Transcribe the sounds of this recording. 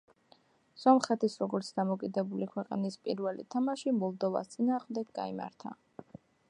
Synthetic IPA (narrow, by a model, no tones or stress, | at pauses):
sɔmχɛt̪ʰisɾɔɡɔɾt̪sʰd̪amɔkʼid̪ɛbulikʰwɛqʼnispʼḭɾvɛlḭt̪ʰamaʃimɔlˠd̪ɔva̰st̪sʼinaːʁmd̪ɛɡɡa̰ima̰ɾt̪ʰa̰